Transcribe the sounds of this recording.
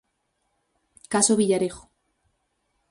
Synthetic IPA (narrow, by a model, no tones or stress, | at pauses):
kasoβiʎaɾexo̥